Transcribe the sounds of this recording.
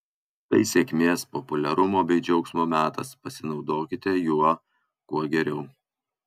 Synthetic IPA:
t̪ɐɪsʲeːkʲmʲeːspɔpʊlʲɛɾʊmoːbʲɛɪd͡ʒʲɛʊksmoːmʲæːt̪ɐ̰spɐsʲɪnɒʊd̪oːkʲɪt̪ʲɛjuɔ | kuɔɡʲɛɾʲɛʊ

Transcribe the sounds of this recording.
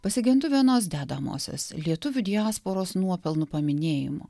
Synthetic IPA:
pɐsʲɪɡʲɪnt̪ʊʋʲiɛnoːs̬d̪ʲæːd̪ɐmo̰ːsʲo̰ːslʲiɛt̪ʊʋʲʊd̪ʲɪaːspoːɾoːsnuɔpʲɛlˠnʊpɐmʲɪnʲeːjɪ̰mo̰ː

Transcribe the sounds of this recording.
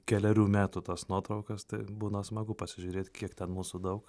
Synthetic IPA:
kʲɛlʲɛɾʲuːmʲæːt̪uːt̪ɐsnuɔt̪ɾɐʊkɐst̪ɐɪbuːnɐsmɐɡʊpɐsʲɪʒʲʊːɾʲeːt̪ʲkʲiɛkt̪ʲɛnmuːsʊd̪ɐʊk

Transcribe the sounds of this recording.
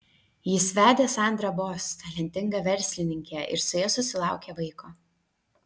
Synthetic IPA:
jɪsʲʋʲæːd̪ʲeːsɑˑnʲd̪ɾɐbɔst̪ɐlʲɛnʲt̪ʲɪŋɡɐʋʲɛɾʲsʲlʲɪnʲɪŋʲkʲɛʔɪ̰ɾsʊjɛsʊsʲɪlˠɑˑʊkʲeːʋɐɪkoː

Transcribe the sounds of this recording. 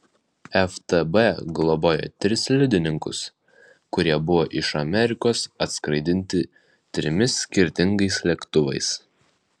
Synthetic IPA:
ɛft̪ɛbɛɡlˠɔboːjo̰t̪ʲɾʲɪslʲɪd̪ʲɪnʲɪŋkʊ̰s | kʊɾʲiɛbʊʋoːʔɪʃɐmʲɛɾʲɪkoːsɐt̪skɾɐɪd̪ʲɪnʲt̪ʲɪ | t̪ʲɾʲɪmʲɪsʲːkʲɪɾʲt̪ʲɪŋɡɐɪslʲɛkt̪ʊʋɐ̰ɪs

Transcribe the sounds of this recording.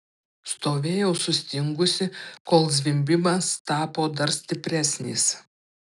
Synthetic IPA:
st̪oːʋʲeːjɛʊsʊsʲt̪ʲɪŋɡʊsʲɪkoːlˠzʲʋʲɪmʲbʲɪmɐst̪ɑːpoːd̪ɐɾsʲt̪ʲɪpʲɾʲæsʲnʲiːs

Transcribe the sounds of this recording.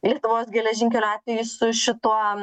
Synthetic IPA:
lʲiɛt̪ʊʋoːsɡʲɛlʲɛʒʲɪŋʲkʲɛlʲɑːt̪ʲʋʲɛjʊsʊʃʲɪt̪uɔ

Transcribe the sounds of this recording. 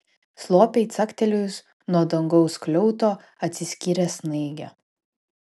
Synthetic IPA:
slˠoːpʲɛɪt̪sɐkt̪ʲɛlʲʊjs | nuɔd̪ɐŋɡɔʊsklʲɔʊt̪oː | ɐt̪ʲsʲɪsʲkʲiːɾʲɛsnɐɪɡʲɛ

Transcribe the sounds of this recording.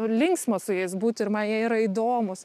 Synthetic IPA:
ʊlʲɪŋksmɐsʊjɛɪsbuːt̪ʲɪɾmɐnjiɛiːɾɐiːd̪oːmʊs

